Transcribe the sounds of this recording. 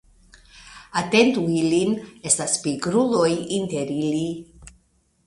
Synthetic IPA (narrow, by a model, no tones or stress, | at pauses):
ate̞ntuiline̞staspiɡɾulo̞jinte̞ɾili